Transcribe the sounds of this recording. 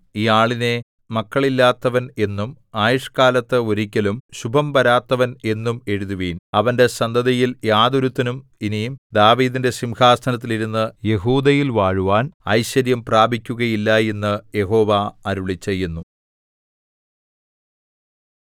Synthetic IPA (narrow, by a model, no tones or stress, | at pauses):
ijaːɭine̞ | mɐkːɐɭilːaːt̪ːɐʋɐne̞nːum | aːjuʂkaːlɐt̪ːɨoɾikʲːɐlumɕubʱɐmpɐɾaːt̪ːɐʋɐne̞nːume̞ɻuðuʋiːnɐʋɐnde̞sɐnd̪ɐðɐjiljaːd̪uɾut̪ːɐnuminijmd̪aːʋiːd̪inde̞simhaːst̪ɐnɐt̪ːiliɾunːɨje̞ɦuːd̪ɐjilʋaːɻuʋaːnɐ̰jɕɐɾjɐmpraːbʱikʲːuɣɐjilːɐje̞nːɨje̞ɦo̞ːʋaːɾuɭit͡ɕːejːunːu